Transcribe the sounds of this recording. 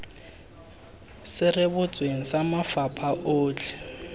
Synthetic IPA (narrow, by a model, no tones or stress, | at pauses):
sɪrɪbʊt͡sʼweŋ̩samafapʼʰaʔoːt͡ɬʰʼɛ̥